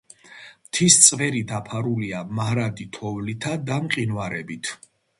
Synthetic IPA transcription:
mt̪ʰist̪sʼvɛɾid̪apʰaɾuliamaɾad̪it̪ʰɔvlit̪ʰad̪amqʼinwaɾɛbit̪ʰ

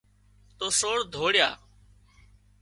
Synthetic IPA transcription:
t̪oːsoːɽd̪ʱoːɽjaː

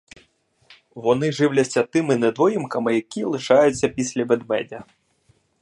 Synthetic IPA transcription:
vɔnɨʐɨwlʲɐsʲat̪ɨmɨnɐd̪vɔjimkɐmɐjakʲijɛlˠɨʂajut̪sʲːɐpʲisʲlʲɐbɛd̪mɛ̰d̪ʲɐ

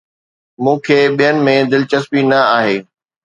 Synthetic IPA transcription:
mũːkʰeːɓijənɪ̆mẽd̪ɪlɪt͡ɕəspinɐaːɦeː

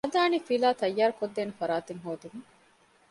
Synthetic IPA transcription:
ɐd̪aːniːfilaːt̪ɐjːaːɾukod̪ːeːnefɐɾaːt̪eŋɦoːd̪iŋuŋ

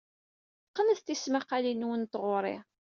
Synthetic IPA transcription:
qːənəθt̪ismaqalinwənt̪ʁʊɾˤɪ̰

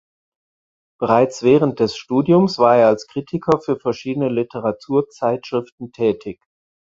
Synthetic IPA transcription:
b̥əʁaɪt͡sv̥ɛːʁənt̚d̥ɛsʃtuːdjʊmsv̥aːɐeːɐalskʁ̥iːtʰɪkʰɐfyːɐfɛɐʃiːdənəlɪtʰəʁatʰuːɐt͡saɪtʃʁ̥ɪftn̩tʰɛːtʰɪç

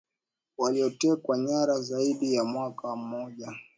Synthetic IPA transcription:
waliɔtɛkwaɲaɾazaiɗijamwakam̩mɔʄa

